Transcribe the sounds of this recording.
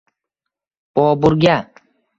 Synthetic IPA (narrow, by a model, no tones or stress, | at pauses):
pɔːbuɾɡʲa